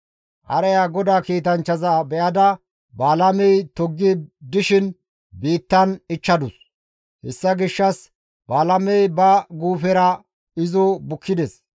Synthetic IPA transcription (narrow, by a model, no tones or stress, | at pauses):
ʔɐ̰ɾɛjaɡɔd̪aːkiːt̪ɐnt͡ʃːɐzɐbɛʔɐd̪ɐ | baːlɐmɛjt̪ɔɡːɪd̪ɪʃɪn | biːt̪ːɐnɪt͡ʃːɐd̪ʊs | hɛsːɐɡɪʃːɐs | baːlɐmɛjbɐɡuːfɛɾɐ | ɪzɔbʊkʰːɪd̪ɛs